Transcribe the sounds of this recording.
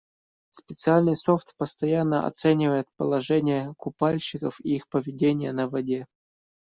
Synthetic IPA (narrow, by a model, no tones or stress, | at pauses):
spʲɪt̪sɨalʲnɨjsoft̪pəst̪ɐjanːəɐ̰t̪sɛnʲɪvəjɪt̪̚pəlˠɐʐɛnʲɪjəkʊpalʲɕɪkəfiixpəvʲɪdʲenʲɪjənəvɐdʲe